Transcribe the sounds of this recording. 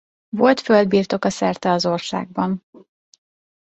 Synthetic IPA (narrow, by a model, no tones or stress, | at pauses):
vo̞lt̪fø̞ld̪̚biːrt̪o̞kɒsɛrt̪ɛɒzo̞rsa̰ːɡ̚bɒn